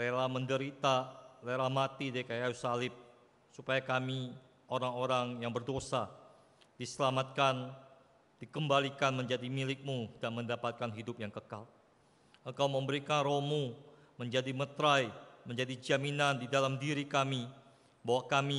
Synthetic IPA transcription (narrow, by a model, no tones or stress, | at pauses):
leɾahməndəɾit̪aleɾamat̪idakajausalɪp̚ | supajakami | ʔoɾaŋoɾaŋjaŋbərdosa | d̥isəlamat̪̚kan | d̥ikəmbalikanməɲd͡ʒadimilɪk̚mudaʔməndapat̪̚kanɦidʊp̚jaŋkəkal | ʔəŋkawməmbəɾikanromu | məɲd͡ʒadimət̪ɾajməɲd͡ʒadid͡ʒaminandidalamdiɾikami | bawakami